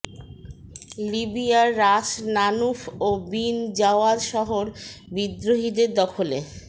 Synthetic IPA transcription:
libijaːaʃnanufobind͡ʑaoad̪ʃɔɦoɾbid̪ɾoɦid̪eɾd̪ɔkʰole

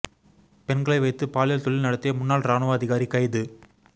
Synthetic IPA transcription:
pɛnɡɐɭɐɪʋɐɪt̪ːɯpaːlɪjɐlt̪ɔɭːɪlnɐɽɐt̪ːɪjɐmʊnːaːlɾaːnɐʋaːɐðɪɣaːɾikːɐjðɯ

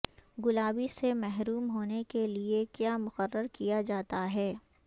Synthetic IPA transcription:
ɡʊlaːbisemɛɦɾuːmɦoːnekeliekjaːmʊqərːəɾkijad͡ʒaːt̪aɦɛː

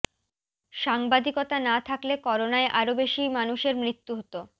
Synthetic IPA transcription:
ʃaŋbad̪ʱikot̪anat̪ʰaklekɔɾonaeʔaɾobeʃimanuʃeɾmɾit̪ːuɦot̪o

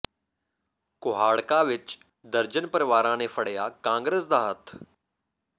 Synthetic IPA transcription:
kʊɦaːɽkaʋɪt͡ʃ | d̪əɾd͡ʒənpəɾɪʋaːɾãːnepʰəɽ̤ejaːkãːŋɡɾeːsd̪aːɦət̪ʰ

